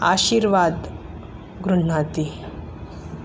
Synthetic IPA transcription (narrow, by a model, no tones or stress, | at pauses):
a̰ɕiːɾʋad̪ | ɡɾuɳ̤at̪i